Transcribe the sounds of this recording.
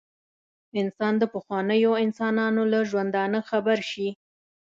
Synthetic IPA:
ɪnsɑnd̪əpəxwɑnəjoɪnsɑnɑnolaʒwand̪ɑnəxabaɾʃi

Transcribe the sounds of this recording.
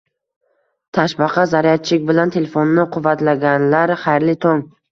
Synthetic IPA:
t̪ʰaʃbɑqʰɑzaɾijat̪̚t͡ʃʰɪkʲbɪlant̪ʰe̞lefonnɪqʰʊvːat̪laɡʲanlaɾχajɾlɪt̪ʰoŋ

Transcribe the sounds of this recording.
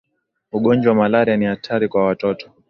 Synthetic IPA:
uɠɔnd͡ʒwamalaɾianihatʰaɾikwawatɔtɔ̥

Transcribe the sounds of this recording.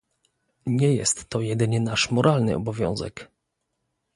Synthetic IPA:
ɲɛjɛ̰st̪ːɔjɛd̪ɘɲɛnaʂmɔɾʔalnɘ̰ʔɔbɔvʲjɔ̰̃w̃zɛ̰k

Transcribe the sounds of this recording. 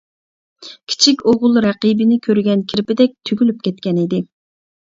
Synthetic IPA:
kʲʰi̥t͡ʃʰikʲoʁʊlˠɾæqibɪnɪkʲʰøɾɡʲɛnkʲʰiɾɪpɪd̪ɛk̚ʲt̪ʰyɡʲylyp̚kʲʰɛt̪kʲɛnid̪ɪ

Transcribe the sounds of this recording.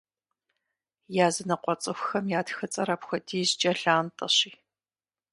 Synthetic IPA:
jaːzɨnɐqʷɔt͡sʼɨxʷxɐmjaːtxɨt͡sʼɐɾɐpxʷɔdʰiːzt͡ʃʼɐɬaːntʼɐɕiː

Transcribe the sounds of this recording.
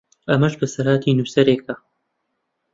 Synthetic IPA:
ɐmɐʃbɐsɐɾaːt̪ʰiːnuːsɐɾeːkʰɐ

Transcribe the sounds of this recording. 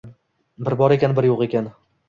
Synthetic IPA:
bɪɾbɒɾekʲanbɪɾjoqe̞kʲʰan

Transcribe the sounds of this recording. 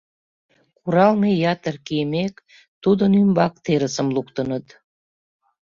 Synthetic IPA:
kuɾɑlmejɑt̪ərkijəmek | t̪ud̪ənymbɑkt̪eɾəsəmlukt̪ənət̪

